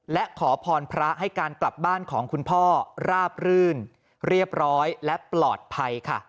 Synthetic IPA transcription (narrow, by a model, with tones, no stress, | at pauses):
lɛ˦˥ʔkʰɔː˩˦pʰɔː˧npʰɾa˦˥ʔɦa˥˩jkaː˧nkla˨˩p̚baː˥˩nkʰɔː˩˦ŋkʰu˧npʰɔː˥˩ɾaː˥˩p̚ɾɯː˥˩n | ɾi˥˩əp̚ɾɔː˦˥jlɛ˦˥ʔplɔː˨˩t̪̚pʰa˧jkʰa̰˥˩